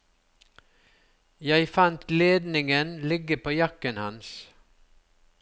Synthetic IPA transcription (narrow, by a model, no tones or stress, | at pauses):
jæɪfɑnt̪leːd̪nɪŋənlɪɡəpʰoːjɑkənhɑ̰ns